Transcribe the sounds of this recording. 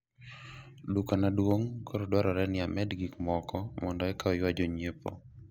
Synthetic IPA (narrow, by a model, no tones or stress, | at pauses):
dukanadwoŋkʰoɾɔdwaɾɔɾɛnɪamɛdɡikmɔkɔmɔndɔɛkaɔjwad͡ʒoɲepo̰